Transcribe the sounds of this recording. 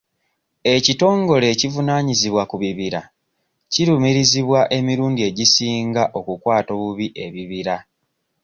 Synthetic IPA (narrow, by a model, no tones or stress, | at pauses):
e̞cito̞ːŋɡo̞le̞civunaːɲiziβwakuβiβiɾa | ciɾumiɾiziβwaʔe̞miɾuːndie̞ɟisiːŋɡaʔo̞kukwaːto̞βuβiʔe̞βiβiɾa